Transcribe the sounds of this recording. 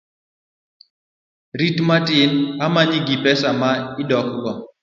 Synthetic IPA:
ɾitmatɪnamaɲiɡipɛsamaɪdɔkɡɔ

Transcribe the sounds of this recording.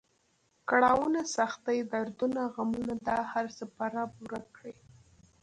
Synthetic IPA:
kaɽɑwənasaxt̪ajd̪aɾd̪unaɣamunad̪ɑhaɾsəpaɾapuɾakɽi

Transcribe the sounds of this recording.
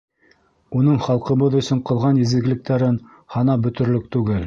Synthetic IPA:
unɤɴχɑlˠqɤ̆βɤðɵ̆sɵɴqɤ̆lˠʁɑnjɘ̆zɘ̆ɡlɘ̆k̚t̪æɾɘn | hɑnɑbɵ̆t̪ɵ̆ɾlɵk̚t̪ʉɡɘl

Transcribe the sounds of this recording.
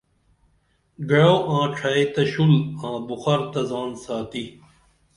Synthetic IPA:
ɡɐɽoːãːʈ͡ʂʰɐet̪ɐɕulãːbuxɐɾt̪ɐzaːnsaːt̪i

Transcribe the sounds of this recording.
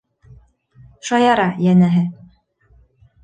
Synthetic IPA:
ʃɑjɑɾɑjænæɦɘ

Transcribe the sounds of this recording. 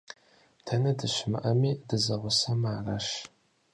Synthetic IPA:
tʰɐnɐdɨʃɪmɨ̰ʔɐmiːdɨzɐʁʷʊsɐmaːrɐʃ

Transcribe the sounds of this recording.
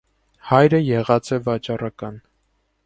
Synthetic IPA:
hɑjɾəjɛʁɑt͡sɛvɑt͡ʃɑrɑkɑn

